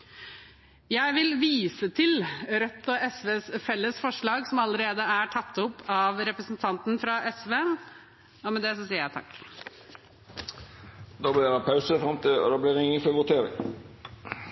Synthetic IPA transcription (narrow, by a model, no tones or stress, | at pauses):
jæɪʋɪlʋiːsət̪ʰɪlɾœt̪ːɔɛsʋeːsfɛlːəsfɔʂɭɑːɡsɔmɑlːəɾeːd̪əæʈʰɑt̪ːʊpːɑːʋɾɛpɾəsnt̪ʰɑnt̪n̩fɾɑʔɛsʋeː | ɔmɛd̪ɛsɔsiːəɾjæɪt̪ɑ̰kː | d̪ɑːbliːɾɑpʰɑʉsəfɾɑmt̪ʰɪ̰d̪ɑːbliːɛɪŋːənfɔʋʊt̪ʰeːɾɪ̰ŋ